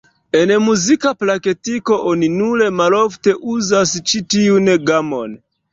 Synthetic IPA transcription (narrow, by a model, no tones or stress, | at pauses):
enmuzikaplaketiko̞ʔoninule̞malofte̞ʔuzast͡ʃitiunɡamo̰n